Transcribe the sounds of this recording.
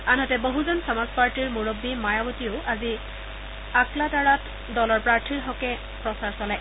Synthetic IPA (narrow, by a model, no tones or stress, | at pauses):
anɦɔtɛboɦuzɔnsɔmazpaɹtiɹmuɹobːimajabɔtioʊʔazi | akladaɹat | dɔlɔɹpɹaɹtʰiɹɦɔkɛ | pɹɔsaɹsɔlaj